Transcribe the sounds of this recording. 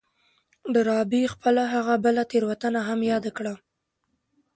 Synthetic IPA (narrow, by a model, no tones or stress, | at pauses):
ɖəɾɑbixpəlaɦaɣabəlat̪eɾwat̪anaɦamjɑd̪akɽa